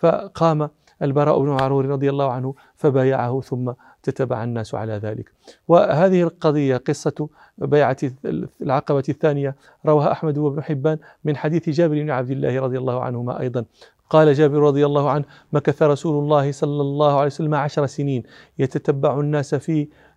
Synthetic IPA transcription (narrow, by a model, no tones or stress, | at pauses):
fa̰qɑːma | ʔalbɑɾˤɑ̰ːʔʊbnʊʕaɾˤuːɾɪɾˤɑd̪ˤɨjalːɑːhʊʕanhʊ | fabaːja̰ʕahʊθʊmːa | t̪at̪abːa̰ʕanːaːsʕa̰laðaːlɪ̰k | wahaːðɪhɪlqɑd̪ˤəjːaqɨsˤːɑ | bajʕalʕɑqɑbaθːaːnɪja | ɾˤɑwaːhaʔaħmad̪wabnʊħɪbːaːn | mɪnħad̪iːθd͡ʒaːbɪɾɪbnɪʕab̚d̪ɪlːa̰ːhɪɾˤɑd̪ˤjalˤːɑːhʊʕa̰nhʊma̰ʔɑ̰jd̪ˤɑn | qɑːlad͡ʒaːbɪɾɾˤɑd̪ˤɨjalˤːɑːhʊʕanh | makaθaɾˤɑsuːlʊlˤːɑːhɪsˤɑlːɑlˤːɑːhʊʕalejwsalːamaʕaʃɾˤsɪniːn | jat̪at̪abːaʕʊnːaːsafiː